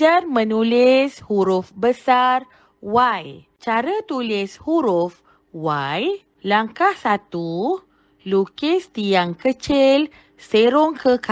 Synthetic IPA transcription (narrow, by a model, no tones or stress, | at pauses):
armə̃nulɪshuɾʊfbəsar | waj | t͡ʃaɾət̪ulɪshuɾuf | waj | laŋkahsat̪u | lukɪst̪ijaŋkət͡ʃɪl | seɾoŋkəka